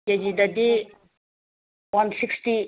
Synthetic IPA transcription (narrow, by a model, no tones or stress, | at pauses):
ed͡ʒid̪ad̪i | wansiksti